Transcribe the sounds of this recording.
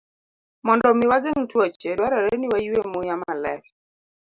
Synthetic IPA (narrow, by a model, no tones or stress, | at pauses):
mɔndɔmiwaɡeŋtwat͡ʃedwaɾaɾeniwajemojamalɛ̰k